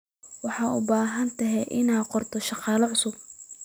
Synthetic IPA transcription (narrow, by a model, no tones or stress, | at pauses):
wɑħɑːʊ̰baːɦɐnt̪ʰɐɦɛʔɪnaːqɔrt̪ʰɔʃɑqɑːlɐʕʊsʊb̚